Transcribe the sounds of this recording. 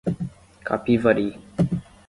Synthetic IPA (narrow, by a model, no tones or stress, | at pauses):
kʰa̰pivəɾi